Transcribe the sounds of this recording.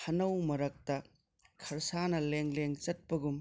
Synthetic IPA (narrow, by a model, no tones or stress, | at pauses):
hɐnɐwmɐɾɐk̚tɐ | kʰɐɾsanɐleŋleŋt͡ʃɐt̚pɐɡum